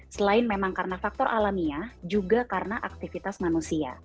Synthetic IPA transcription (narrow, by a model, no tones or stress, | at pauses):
səlaɪnmemaŋkarənafak̚t̪ɔrʔalamiad͡ʒuɡakaɾənaʔak̚t̪ifit̪asmanusia̰